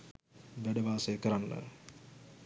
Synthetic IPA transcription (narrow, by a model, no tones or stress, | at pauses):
ʋæɖəbʱaːsejkəɾanːə̰